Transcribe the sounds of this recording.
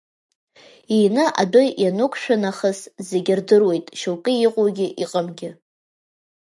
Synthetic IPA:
ijnɨʔa̰dojjanukʷʰʼʃᶣʊnaχəszeɡʲɪrdɨrwe̞jtʼʃowkʼɨjiqʼoɡʲɪʔiqʼəmɡʲɪ

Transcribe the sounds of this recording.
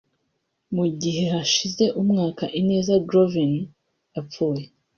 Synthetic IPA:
muɟiɦe̞haʃize̞ʔumŋaːkaʔine̞ːzadɾovin | japp͡fuːje

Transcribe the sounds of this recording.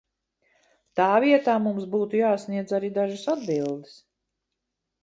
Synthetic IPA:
t̪aːviɛt̪aːmumsbuːt̪ujaːsniɛd̪zaɾid̪aʒasad̪bilˠd̪is

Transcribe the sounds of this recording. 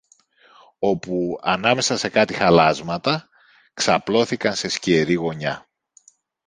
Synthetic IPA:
o̞puɐnɐme̞sɐse̞kɐt̪ixɐlɐzmɐt̪ɐ | ksɐplo̞θikɐnse̞scieɾiɣo̞ɲɐ

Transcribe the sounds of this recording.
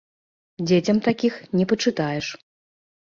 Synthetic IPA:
d͡zʲet͡sʲɐmt̪akʲixnʲɛpɐt͡ʂɨt̪ajɛʂ

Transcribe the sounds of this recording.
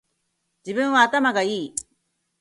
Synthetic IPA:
d͡ʑibɯ̟̃ɰ̃βaːt̪amaɡaiː

